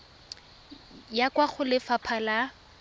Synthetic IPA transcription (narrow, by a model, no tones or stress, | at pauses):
jakwaχʊlɪfapʰala